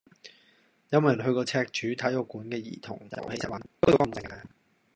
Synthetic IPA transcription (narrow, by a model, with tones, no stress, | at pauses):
jɐ˥nmwjɦɵ˧ɥkɔː˧t͡sʰɛː˧k̚t͡ʃyː˨˥t̪ʰɐ˨˥jɔ˨˧kuː˨˥nkɛː˧jḭː˨˩t̪ʰʊ̰˨˩ŋt͡sɐ̰˨˩whe˨˥jsa˨˩wɐ˨˥nt̪o˥wjo˨˧˥kɐ˧˩mt͡sɪ˧ŋaː˧